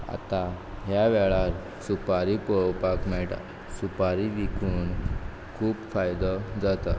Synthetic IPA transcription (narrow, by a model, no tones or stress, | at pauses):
a̰t̪aɦjaʋɛɭaɾ | supaɾipɔɭwpakmɛɭʈa̰ | supaɾiʋikuːn | kʰuːpfajd̪ɔd͡zat̪a̰